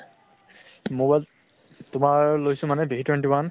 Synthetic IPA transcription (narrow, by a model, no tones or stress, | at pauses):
mobajl | tʊmaɹlojsʊ̃manɛbiɦitwentiban